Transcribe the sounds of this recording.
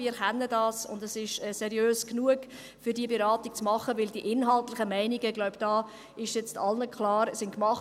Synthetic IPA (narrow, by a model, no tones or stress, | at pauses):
iːəɾχɛnːədɑːsʊ̰ndəsɪʃɛːsɛɾjøːsknuəɡ̥ | fʏɾdiəbɛɾɑːtik̚t͡smɑχəʋɪldiəʔɪnɦɑltlɪχəmæɪniɡəɡlɔʊbd̥ɑː | ɪʃjɛt͡stʰɑlnəkχlɑːɾsɪnkmɑχ